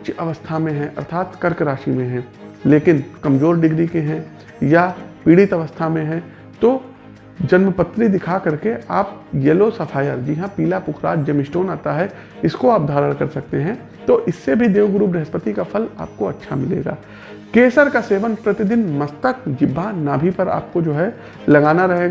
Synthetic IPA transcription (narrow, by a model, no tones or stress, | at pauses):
ʊt͡ʃɐʋəst̪ʰamẽɦɛ̃ʔɐ̰ɾt̪ʰaːt̪kɐɾkɾaːʃimẽɦɛ̃ː | leːkɪnkɐmd͡ʒoːɾɖɪɡɾikeɦɛ̃ | japiːɽɪt̪ɐʋəst̪ʰamẽɦɛ̃ | t̪o | d͡ʒɐnməpət̪ːɾid̪ɪkʰakɐɾkeʔaːpjelosɐpʰaːjəɾd͡ʒɪɦãpiːlapʊkʰɾa̰ːd͡ʒd͡ʒɐmɪsʈoːnaːt̪aɦɛ | ɪskoaːp̚d̪ʱaːɾəɽ̃kɐɾsɐk̚t̪eɦɛ̃ | t̪oʔɪsːebʱid̪eːʋəɡɾuːbɾɐɦəspət̪ikapʰɐla̰ːp̚koɐtːʃʰamɪlḛːɡa̰ː | keːsəɾkaseːʋənpɾɐt̪ɪd̪ɪnmɐst̪əkd͡ʒɪbʱːanaːbʱipɐɾa̰ːp̚kod͡ʒoːɦɛ | lɐɡaːnaɾɐɦeːɡa